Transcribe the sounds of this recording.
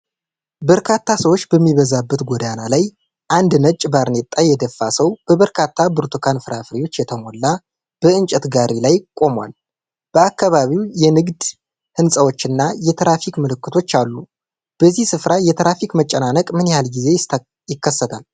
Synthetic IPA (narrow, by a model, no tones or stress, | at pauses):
bəɾkʰat̪ʰːasəwo̞t͡ʃːbəmːiβəzabːət̪ɡʷod̪analaj | ʔand̪nət͡ʃʼbaɾnet̪ʼajɛd̪əfːasəwb̥əβəɾkʰat̪ʰːabɨɾt̪ʰokʰanfɨɾafɾiwo̞t͡ʃːjɛt̪ʰəmo̞lːa | b̥əɨnt͡ʃʼɛt̪ɡaɾilajkʼo̞mwa̰l | b̥əakʰːaβaβiwjɛnɨɡd̪ | hɨnsʼəwo̞t͡ʃːɨnːajɛt̪ʰɾafikmɨlɨkːɨt̪ʰo̞t͡ʃːalːu | b̥əzːihsɨfɾajɛt̪ʰɾafikmət͡ʃʼːɛnanəkʼmɨnjɛhalɡize̞ | jɪkʰːəsːət̪ʰal